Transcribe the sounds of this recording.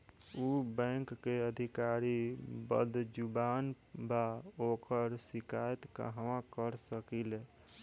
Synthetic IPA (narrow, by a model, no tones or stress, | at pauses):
ubɛ̃ŋkːeəd̪ʱikaɾibə̰d̪d͡ʒuban | baokəɾsikajt̪kə̰ɦʋãkəɾsəkile